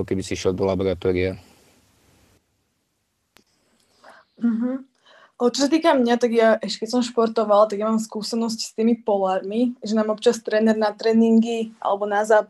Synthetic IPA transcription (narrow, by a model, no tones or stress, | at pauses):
kɛbisiiʃɛlˠd̪ɔlabɔɾat̪ɔːɾia | m̩ɦm̩ | t͡ʃɔsat̪iːkamɲat̪aɡjaʔɛʃcɛkɛcsɔmʃpɔɾt̪ɔʋalt̪aɡjamaːmskuːsɛnɔscst̪iːmipɔlaːɾmiʒɛnaːmɔpt͡ʃast̪ɾɛːnɛɾnat̪ɾɛːniŋɡiʔa̰lɛbɔnazaːp